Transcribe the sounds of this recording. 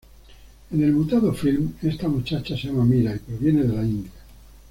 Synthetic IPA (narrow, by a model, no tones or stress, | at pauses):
ene̞lmut̪aðofilmest̪amut͡ʃat͡ʃaseamamiɾaipɾoβje̞neðelaind̪ja